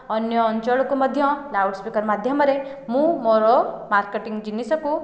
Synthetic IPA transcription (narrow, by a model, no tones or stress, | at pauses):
ɔnjɔːnt͡ʃɔɭɔkumʌd̪ʱjɔ̃lawɖspikəɾmad̪ʱjʌmɔɾe | mũmoɾɔmaɾkeʈiŋɡd͡ʒinisɔku